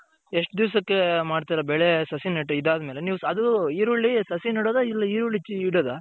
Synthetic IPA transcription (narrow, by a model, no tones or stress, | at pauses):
eʂʈd̪iʋsɐkːemaːɖt̪iːɾɐbɛɭesɐsinɐʈːɐid̪aːd̪ɐmeːleniːʋuɐd̪uiːɾoɭːisɐsinɐɽod̪ɐilːɐiːɾuɭːit͡ʃːiiːɽoːd̪a